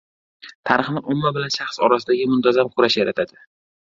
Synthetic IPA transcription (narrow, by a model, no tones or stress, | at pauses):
t̪ʰaɾɨχnɪʔʊmːabɪlanʃaχsɒ̰ɾasɪd̪aɡʲɪmʊnt̪ʰazamqʰʊɾaʃjaɾat̪ʰad̪ɪ